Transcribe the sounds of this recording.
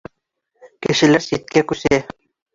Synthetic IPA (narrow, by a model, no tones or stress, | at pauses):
kɘ̆ʃɘ̆læɾsit̪̚kækʉsæ